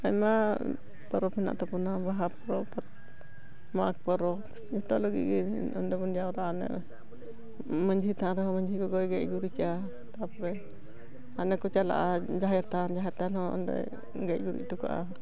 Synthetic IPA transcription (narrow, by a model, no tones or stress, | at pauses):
ajma | pəɾɔpina̰ʔt̪ɔpunabaɦapəɾɔpat̪̚ | mak̚pəɾɔp | ɛt̪ɔʔləɡḭʔɡi | ɔ̰ndɛbɔnijaɾaʔanɛ̰ | məɲd͡ʒʱit̪aɾɛɦɔ̃məɲd͡ʒʱiɡɔɡɔjɡɛʔɡuɾit͡ʃa | t̪apɔɾɛ | anɛkɔt͡ʃala̰ʔad͡ʒaɦɛɾt̪and͡ʒaɦɛɾt̪anhɔɔ̰ndɛ̰ | ɡɛcɡuɾḭʔtuka̰ʔa̰